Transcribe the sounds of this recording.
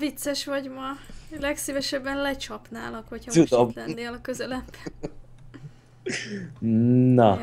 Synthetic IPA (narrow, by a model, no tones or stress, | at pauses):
vit̪sɛʃʋɒɟmɒlɛksivɛʃɛbːɛnlɛt͡ʃɒpnaːlɒkʋɒchɒud̪ot̪ɛnd̪eːlɒkø̞zɛlɛbːɛ̥n | nɒ